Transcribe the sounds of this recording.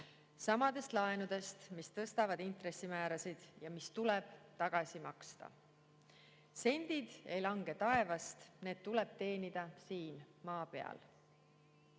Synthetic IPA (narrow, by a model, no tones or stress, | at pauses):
sɑmɑd̪̥e̞st̪lɑenud̪̥e̞st̪mist̪ɤst̪ɑvɑd̪int̪re̞sːimæːɾɑsid̪̥jɑmist̪uleb̥t̪ɑɡ̥ɑsimɑkst̪ɑ̰ | se̞nʲd̪̥id̪̥e̞jlɑŋɡ̥e̞t̪ɑe̞vɑst̪ne̞ːd̪̥̚t̪ule̞b̥̚t̪e̞ːnid̪̥ɑsiːn | mɑːpe̞ɑ̰l